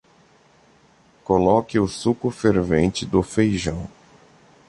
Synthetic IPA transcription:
kolɔkɪʊsukʊfeɾvẽnt͡ʃɪd̪ʊfejʒɐ̃w̃

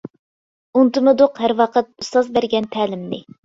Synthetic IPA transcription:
unt̪ɨmɨd̪oqhæɾwɑqət̪̚ust̪ɑzbæɾɡʲɛnt̪ʰɛːlɪmnɪ

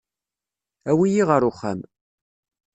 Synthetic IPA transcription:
æwijiʁəɾʊχːæ̰m

